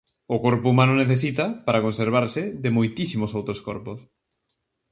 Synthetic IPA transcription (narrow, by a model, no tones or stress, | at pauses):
ʊkoɾpʊumãnʊneθesit̪ɐpaɾakonseɾβ̞aɾsɪðɪmojt̪isimosowt̪ɾoskoɾpos